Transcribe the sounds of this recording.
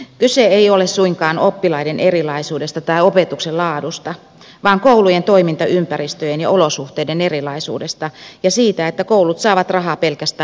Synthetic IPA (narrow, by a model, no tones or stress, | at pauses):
kyseeiolessuiŋkɑːnopːilɑidenʔerilɑisuːdest̪ɑt̪ɑiopet̪ukselɑːdust̪ɑ | ʋɑːŋkoulujent̪oimint̪ɑʔympæɾist̪øjenjɑ̰olosuht̪eidenerilɑisṵːdest̪ɑjɑsiːt̪æet̪ːækoulut̪sɑːʋɑt̪rɑɦɑːpelkæst̪æː